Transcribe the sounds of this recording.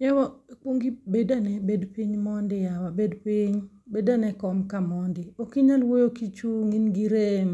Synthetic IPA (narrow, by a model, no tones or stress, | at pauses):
ɲɛwɔk͡pwoŋɡibedanɛbedpiɲmɔndɪjawabedpiɲ | bedanɛkɔmkamɔndɪokiɲalwojokit͡ʃuŋinɡiɾem